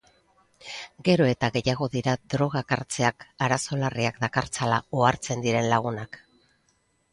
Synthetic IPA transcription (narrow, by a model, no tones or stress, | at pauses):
ɡe̞ɾo̞e̞t̪aɣe̞jaɣ̞o̞ðiɾad̪ɾo̞ɣ̞akaɾt͡se̞akaɾaso̞lariakd̪akaɾt͡salaoaɾt͡se̞nd̪iɾe̞nlaɣ̞unak